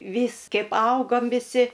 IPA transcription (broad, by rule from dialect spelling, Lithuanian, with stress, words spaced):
ˈʋʲiːs ˈkʲɛɪp ˈɐʊɡoːm ʋʲɪˈsʲɪ